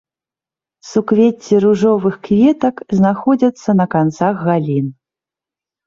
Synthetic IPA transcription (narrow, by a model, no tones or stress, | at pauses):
sukvʲet͡sʲːiɾuʐɔvɨxkvʲɛt̪ɐkznaxɔd͡zʲɐt̪sːɐnɐkant̪saɣɣalʲin